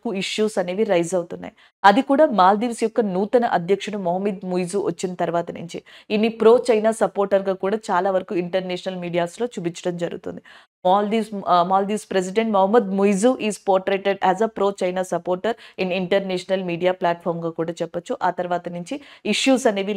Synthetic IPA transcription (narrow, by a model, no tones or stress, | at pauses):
kuiʂjuːsɐne̞ːʋiɾɐjzɐwt̪unːa̰ːj | ɐd̪ikuːɽaːmaːld̪iːʋsjɔkːɐnuːt̪ɐnɐʔɐd̪ʱjɐkʂɐɽɐmɔɦɐmid̪mujzuːʋʔɐt͡ʃːinɐt̪ɐɾuʋaːt̪ɐnṵɲt͡ʃiinːipɾo̞ːt͡ʃɐjnaːsɐpoːɾʈɐɾɡaːkuːɽaːt͡ʃaːlaːʋɐɾɐkuiɳʈɐɾnɛːʃnɐlmiːɖijaːslo̞ːt͡ʃubiɲt͡ʃːɐ̥ɽɐmd͡ʒɐɾuɡṵt̪ṵnd̪i | aːld̪iʋmaːld̪iːʋspɾes̬iɖeɳʈmɐɦɐmːɐd̪mujzuʔiːzpoːɾʈɾeːʈeɖæːzɐpɾoːt͡ʃɐjnaːsɐpo̞ːɾʈɐɾiniɳʈɐɾnɛːʂnɐlmiːɖijaːplaːʈ̚pʰɔːɾmɡaːkuːɽaːt͡ʃɛpːɐt͡ʃːuʔaːt̪ɐɾʋaːt̪ɐnuɲt͡ʃiiʂjuːsɐne̞ːʋi